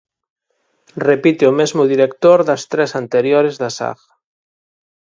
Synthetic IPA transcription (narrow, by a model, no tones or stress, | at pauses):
repit̪eomezmoðiɾekt̪oɾðast̪ɾesant̪eɾjoɾezðasa̰ɣ